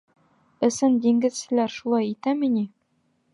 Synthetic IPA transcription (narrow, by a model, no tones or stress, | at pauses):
ɘ̆sɘnd̪iŋɡɘ̆zsɘ̆læɾʃulˠɑjit̪æmini